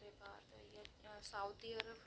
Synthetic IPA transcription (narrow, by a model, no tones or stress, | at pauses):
ɾebaːd̪jasaud̪iɐɾəb